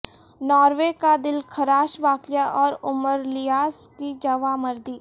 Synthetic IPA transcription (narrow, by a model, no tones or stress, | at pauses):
nɔːɾʋekad̪ɪlkʰɐɾaːʃʋaːkljaʔɔːɾʊməɾlɪjaːskid͡ʒɐʋaməɾd̪iː